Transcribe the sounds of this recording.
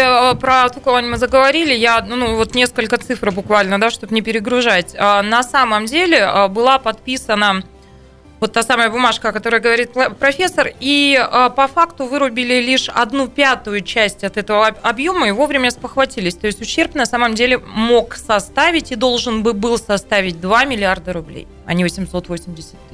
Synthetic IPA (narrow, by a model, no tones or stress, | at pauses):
pɾət̪okɐvoɐnʲimɨzəɡəvɐɾʲilʲɪjanuvo̞t̪nʲe̞skəlʲkət̪sɨfɾbʊkvalʲnəd̪aʂt̪o̞bnʲɪpʲɪɾʲɪɡɾʊʐatʲənɐsaməmdʲelʲɪəbɨlˠapɐt̪̚pʲisənə | vo̞t̪ːasaməjəbʊmaʂkəɐkɐt̪o̞ɾəjəɡəvɐɾʲit̪̚pɾɐfʲesːəriəpɐfakt̪ʊvɨɾʊbʲɪlʲɪlʲiʂɐ̰d̪nupʲat̪ʊjʊt͡ɕæsʲtʲɐt̪ɛt̪əvəɐbjo̞məɪvo̞vɾʲɪmʲəspəxvɐtʲilʲɪsʲt̪o̞ɪsʲtʲʊɕːe̞rpnɐsaməmdʲelʲɪmo̞ksɐst̪avʲɪtʲid̪o̞lˠʐɨnbɨbɨlˠsɐst̪avʲɪt̚ʲd̪vamʲɪlʲɪard̪əɾʊblʲḛj | ɐ̰nʲivəsʲɪmso̞t̪vo̞sʲɪmʲdʲɪsʲɪ̥t̪ʲt̪ː